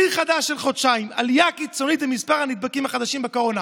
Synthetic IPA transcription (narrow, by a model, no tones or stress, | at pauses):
iχad̪aʃːelχod̪ʃaimalijakit͡so̞nit̪bemispaʁhanid̪̚bakimaχad̪aʃimbekoʁona